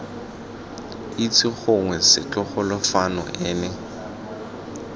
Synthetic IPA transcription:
it͡sʰʼɪχʊŋwɛsɪt͡ɬɔχʊlɪfanɔ̰ʔɛːnɛ

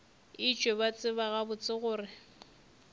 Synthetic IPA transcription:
ɪt͡ʃʼweβat͡sʼɪβaɣabʊt͡sʼɪɣʊːrɪ

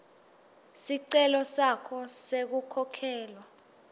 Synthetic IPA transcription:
siǀɛlɔsakʰɔsek̬ukʰɔkʰɛːlwa

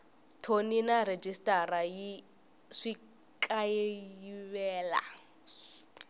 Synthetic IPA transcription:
tʰoninared͡ʒistʼaɾaji | ʂi | kʼajeiβɛːla̰

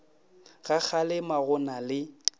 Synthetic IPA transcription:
ɣak͡xʰalɪmaɣʊnalɪ

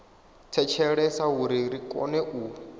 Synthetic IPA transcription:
t͡sʰɛt͡ʃʰɛɺɛsaɦuɾiɾikʼɔ̰nɛʔuː

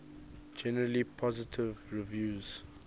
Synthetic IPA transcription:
d͡ʒɛnəɹəlipʰɔzɪtʰɪvɹivjuːz̥

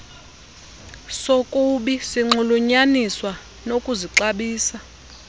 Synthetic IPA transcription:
sokʼuɓisiŋ͡ǃuluɲaniswa | nokʼuziǀaɓiːsa

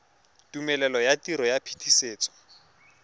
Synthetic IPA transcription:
tumɛlɛlɔjatiɾɔjapʰi̥tʰiseːt͡sʼɔ̥

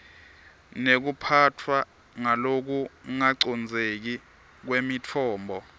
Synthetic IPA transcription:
nek̬upʰatʰwa | ŋalok̬uŋaǀɔnd͡zʱek̬i | k̬wemitʰɔːmbʱɔ

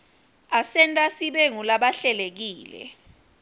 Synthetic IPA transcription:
asɛntʼasiɓeŋulaɓaɬɛlek̬iːlɛ̰

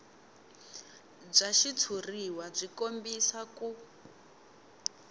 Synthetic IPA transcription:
b͡ʐaʃit͡sʰuriwab͡ʐʷikombisaku

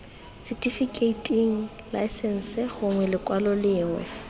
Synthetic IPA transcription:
sɪtʼifikʼeitʼiŋ̩ | la̰ɪsɛn̩sɛɣʊŋwɛlɪkʼwalɔlɪːŋwɛ̰

